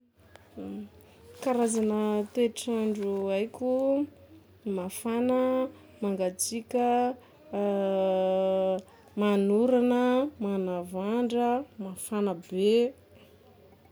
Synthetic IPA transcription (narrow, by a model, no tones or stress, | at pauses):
kaɾazanət̪eʈ͡ʂaɳɖ͡ʐuajkʲu | mafanə | maŋɡat͡sikʲə | manuɾanəmanavaɳɖ͡ʐəmafanəbe